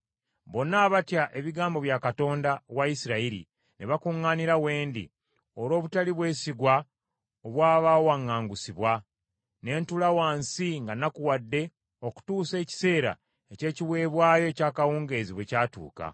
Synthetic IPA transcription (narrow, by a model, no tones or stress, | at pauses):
βo̞nːaːβatjaʔe̞βiɡaːmbo̞βjakato̞ːndawaisiɾaiɾḭ | neβakuŋːaːniɾawe̞ːndḭ | olo̞ːβutaliβwe̞ːsiɡwa | oβwaːβawaŋːaːŋɡusiβwa | ne̞ːntulawaːnsiŋɡanakuwadːe̞ | o̞ku̥tuːse̞ːci̥se̞ːɾa̰ | e̞ce̞ːciwe̞ːβwaːjo̞ecaːkawuːŋɡe̞ːziβwe̞caːtṵːka̰